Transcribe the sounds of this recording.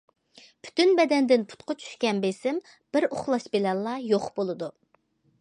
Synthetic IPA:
pʰy̥t̪ynbɛd̪ɛnd̪ɪnpʰu̥t̪qɑt͡ʃʰy̥ʃkʲɛnbesɪm | b̥ɪɾoχlˠɑʃbelɛllːɑjoχbolˠɨd̪u

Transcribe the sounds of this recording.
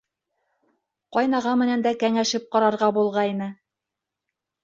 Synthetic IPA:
qɑjnɑʁɑmɘ̆nænd̪ækæŋæʃɘp̚qɑɾɑɾʁɑbulˠʁɑinɤ

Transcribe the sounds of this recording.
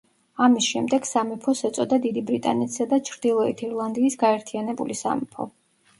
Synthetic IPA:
amisʃɛmd̪ɛɡ̥samipʰɔsɛt̪sʼɔd̪ad̪id̪ibɾit̪ʼa̰nɛt̪ʰi̥sad̪at͡ʃʰɾd̪ilˠɔit̪ʰiɾlˠand̪iːsɡaɛɾt̪ʰianɛbṵlisa̰mḭpʰɔ̰

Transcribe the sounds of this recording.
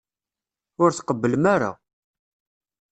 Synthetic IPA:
ʊɾθqəbːələmaɾa̰

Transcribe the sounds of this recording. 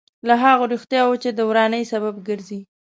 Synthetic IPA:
laɦɑɣoɾuxt̪jɑwot͡ʃed̪əwɾɑnəjsaβabɡəɾzi

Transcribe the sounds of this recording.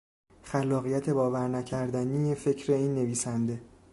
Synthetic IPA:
xælːɒːɣijæt̪ʰe̞bɒːvæɾnæcʰæɾd̪ænijefe̞cʰɾe̞iːnːe̞viːsænd̪e̞

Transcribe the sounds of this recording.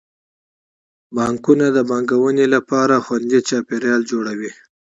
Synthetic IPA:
bɑŋkunad̪əbɑŋɡawənelapɑɾaxwand̪it͡ʃɑpeɾjɑld͡ʒoɽawi

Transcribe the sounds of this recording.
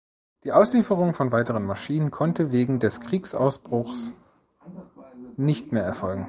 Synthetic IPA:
d̥iːʔaʊsliːfəʁ̞ʊŋfɔnvaɪtəʁənmaʃiːnənkʰɔntəveːɡŋ̩dɛskʁ̥iːksʔa̰ʊsb̥ʁʊxs | nɪçtmeːɐɛɐfɔlɡŋ̩

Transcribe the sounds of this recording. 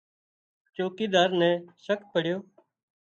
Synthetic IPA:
t͡ʃoːkiːd̪aːɾnɛ̃ːʃək̚pəɽ̤joː

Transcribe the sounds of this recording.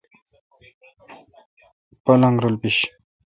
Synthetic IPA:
palaŋɡɾəlpiɕ

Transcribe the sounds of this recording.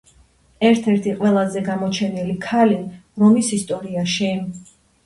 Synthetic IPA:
ɛɾt̪ʰɛɾt̪ʰiqʼwɛlˠazɛɡamɔt͡ʃʰɛnilikʰaliɾɔmisist̪ʼɔɾiaʃi

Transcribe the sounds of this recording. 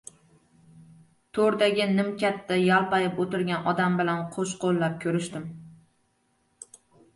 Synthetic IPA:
t̪ʰoɾd̪aɡʲɪnɪmkʲʰat̪ːajalˠpɑjɪpot̪ɪɾɡʲanɒd̪ambɪlanqʰoʃqolˠːap̚kʲʰɵɾɪʃt̪ɪm

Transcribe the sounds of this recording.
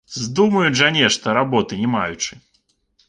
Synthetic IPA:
zd̪umɐjuʐanʲɛʂt̪ɔɾabɔt̪ɨnʲɛmajut͡ʂɨ̥

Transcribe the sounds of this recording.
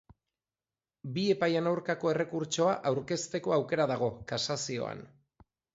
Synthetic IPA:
bie̞pajanawɾkako̞e̞re̞kuɾt͡ʃo̞aʔawɾke̞st̪e̞ko̞awke̞ɾaðaɣ̞o̞kasasio̞̰a̰n

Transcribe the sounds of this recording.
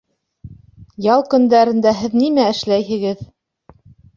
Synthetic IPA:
jɑlˠkɵ̆nd̪æɾɘ̆nd̪æɦɘðnimæɘ̆ʃlæjɦɘ̆ɡɘð

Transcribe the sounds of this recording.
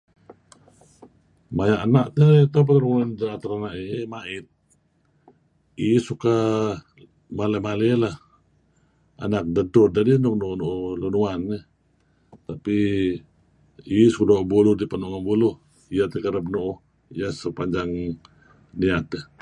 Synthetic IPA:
majaʔanaʔt̪ət̪ap̬at̪ɾŋandaat̪aɾanaʔimaʔɪt̪̚ | isuka | maləmalelah | a̰nak̚dədʊrdadinuk̚nuʔnuʔlunuanːə | t̪api | isukdoʔbulʊhdipanuʔŋanbulʊh | ijat̪əkaɾabnuʔh | ijasəpaɲd͡ʒaŋ | niat̪̚əh

